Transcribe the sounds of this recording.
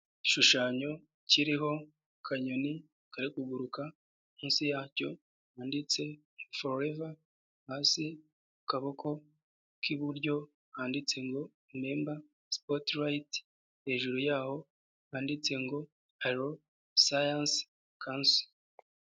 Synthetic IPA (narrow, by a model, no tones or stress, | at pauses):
iʃuʃaːɲo̞ | ciɾiɦo̞ | kʰaɲoni | kaɾikuɡuɾuka | mũːnsijaːco̞ | haːndit͡se̞ | ŋɡofoɾoɾeva | hasi | ukaβokʰo̞ | kʰiβuɾɟo̞ | haːndit͡se̞ŋɡo̞ | neːmba | spotɾajit | he̞ːʒuɾojaːho̞ | haːndit͡se̞ŋɡo̞ | aɾo | sajans | kʰanso̥